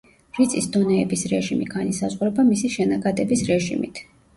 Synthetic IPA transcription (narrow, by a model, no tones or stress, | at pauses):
ɾit̪sʼisd̪ɔnɛɛbisɾɛʒimiɡanisazʁuɾɛbamisiʃɛnaɡad̪ɛbisɾɛʒḭmḭt̪ʰ